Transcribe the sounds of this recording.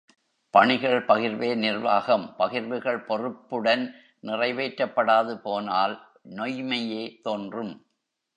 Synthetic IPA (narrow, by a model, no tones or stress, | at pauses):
pɐɳɪɣɐɭpɐɣɪɾʋeːnɪrʋaːɣɐmpɐɣɪɾʋɯɣɐɭpɔrɯpːɯɽɐn | nɪrɐɪʋeːʈɾɐpːɐɽaːðɯpoːnaːl | nɔjmɐjeːt̪oːndrɯm